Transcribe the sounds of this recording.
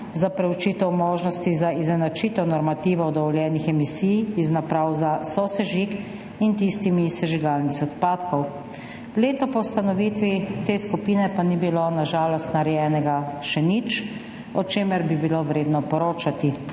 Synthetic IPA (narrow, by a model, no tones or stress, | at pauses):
zapɾɛwt͡ʃiːt̪ɛwmoːʒnɔst̪izaiznɛnat͡ʃiːt̪ɔnɔɾmat̪iːʋɔɔd̪ɔʋɔljɛːnixɛmisiːjiznapɾaːwzasɔsɛʒik | int̪ist̪imisɛʒiɡaːlnixɔt̪paːt̪kʰɔw | leːt̪ɔpɔwust̪anɔʋiːt̪ʋit̪eːskupiːnɛpanibilonaʒaːlɔst̪naɾɛjɛːnɛɡaʃɛnit͡ʃ | ɔt͡ʃeːmɛɾbibiloʋɾeːd̪nɔpɔɾoːt͡ʃat̪i